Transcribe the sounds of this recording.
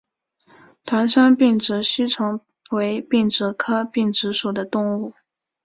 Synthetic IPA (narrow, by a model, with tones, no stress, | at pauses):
t̪ʰwa˧˥nʂə˥ŋpi˥˩ŋʈ͡ʂɻ̩˧˥ɕy˥ʈ͡ʂʰɤ˧˥ŋ | we˧˥ɪpi˥˩ŋʈ͡ʂɻ̩˧˥kʰɤ˥pi˥˩ŋʈ͡ʂɻ̩˧˥ʂu˨˩d̪ə˦t̪ʊ˥˧ŋu˥˩